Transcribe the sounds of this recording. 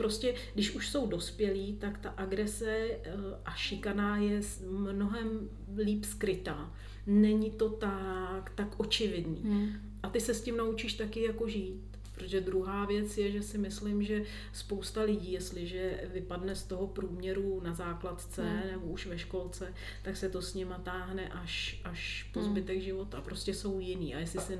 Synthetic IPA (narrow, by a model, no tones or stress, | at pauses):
pɾo̞scɛɡdɪʃuʃso̞wdo̞spjɛliːt̪akt̪aʔaɡɾɛsɛʔaʃɪkanaːjɛ | mno̞ɦɛm | liːpskɾɪt̪aː | nɛɲɪt̪o̞t̪akt̪akʔo̞t͡ʃɪvɪdnḭː | ʔat̪ɪsɛscimnaut͡ʃiːʃt̪akɪjako̞ʒiːt̪ | pɾot̪oʒɛd̪ɾuɦaːvjɛt͡sjɛʒɛsɪmɪslɪmʒɛ | spo̞wst̪alɪɟiːjɛst̪lɪʒɛvɪpadnɛst̪o̞ɦo̞pɾuːmɲɛɾunazaːklat̪t͡sɛnɛbo̞uʃvɛʃko̞lt͡sɛ | t̪aksɛt̪o̞sɲɪmat̪aːɦnɛʔaʃʔaʃpo̞zbɪt̪ɛɡʒɪvo̞t̪apɾo̞scɛso̞wjɪnḭːʔajɛslɪsɪ